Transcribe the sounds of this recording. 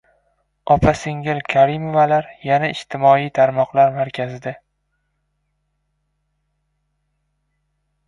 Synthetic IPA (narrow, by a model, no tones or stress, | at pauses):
ɒpʰaseŋɪlkʲʰaɾɪmovalaɾjanaɪʃt̪ʰɪmɒijt̪ʰaɾmɒqlˠaɾmaɾkʲʰazɪd̪a